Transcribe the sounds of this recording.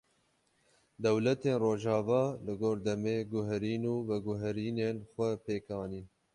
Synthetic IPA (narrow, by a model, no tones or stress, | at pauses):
d̪ɛwlɛt̪eːnroːʒɑːvɑːlɨɡoːɾd̪ɛmeːɡʊɦɛɾiːnuːvɛɡʊɦɛɾiːneːnxʷɛpeːkɑːniː